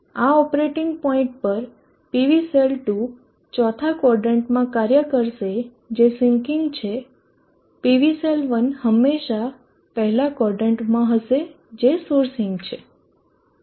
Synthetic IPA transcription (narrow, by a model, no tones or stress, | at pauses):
aɔpɾeʈɪŋɡ̚pɔĩɳʈ̚pəɾ | piʋiselʈu | t͡ʃɔt̪ʰakɔɾɖəɳʈmãkaɾjəkəɾʃe | d͡ʒesĩŋkɪŋɡt͡ʃʰe | piʋiselʋənhəmːeʃa | pəɦɛlakɔɾɖəɳʈmãɦəʃe | d͡ʒesoɾsɪ̃ŋɡt͡ʃʰe